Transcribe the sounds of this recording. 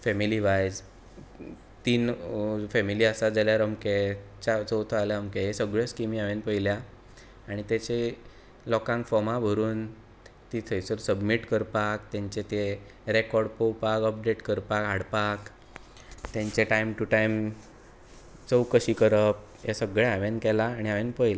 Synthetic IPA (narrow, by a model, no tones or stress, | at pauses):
fɛmiliʋajd͡z | t̪iːnfɛmiliəsad͡zaljaɾəmke | t͡ɕat͡səwt̪ʰəaljaəmkeɦesəɡɭeskimiaʋenpəiljaː | ɽ̃it̪et͡ɕe | lɔkãŋkfɔmabʱəɾuːn | t̪it̪ʰəjt͡səɾsəbmiʈkəɾpakt̪jãɲt͡ɕet̪e | ɾekɔɾɽpəwpakəp̚ɖeʈkəɾpakɦaɽpak | t̪jãɲt͡ɕeʈajmʈuʈajm | t͡səwkəɕiːkəɾəp̚ | jesəɡɭeaʋenkɛlaːɽ̃iaʋenpəjla